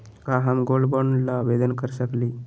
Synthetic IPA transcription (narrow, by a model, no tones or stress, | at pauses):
kaːɦamɡolbonlaʋed̪ənkəɾsəkli